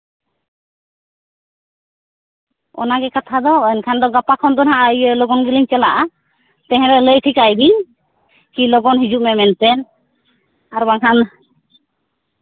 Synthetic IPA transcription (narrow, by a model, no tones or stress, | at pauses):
ɔ̰naɡɛkat̪ʰad̪ɔɛnkʰand̪ɔɡapakʰɔnd̪ɔnɦaʔajlɔɡɔnɡiliɲt͡ʃɛlaʔa | t̪ɛ̃ɦɛ̃ɾɛləjʈʰikajdiɲ | kilɔɡɔnɦid͡ʒuʔmɛmɛnt̪ɛn | aɾbaŋɦan